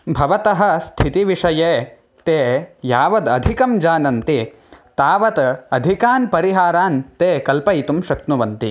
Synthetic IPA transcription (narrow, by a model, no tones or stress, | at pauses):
bʱɐʋɐt̪ɐɦɐ̆st̪ʰit̪iʋiʂɐjeː | t̪eːjaːʋɐd̪ɐd̪ʱikɐmd͡ʒaːnɐnt̪i | t̪aːʋɐt̪ɐd̪ʱikaːnpɐɾiɦaːɾaːnt̪eːkɐlpɐjt̪umʃɐk̪̚nuʋɐnt̪i